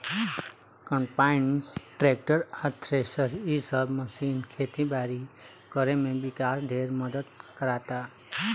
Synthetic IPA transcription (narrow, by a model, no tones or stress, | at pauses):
kəmpaɪnʈɾek̚ʈəɾat̪ʰɾesəɾisəbməsiːnkʰeːt̪ibaːɾi | kəɾemẽbɪkaːsd̪ʱeːɾməd̪əd̪kəɾaːt̪a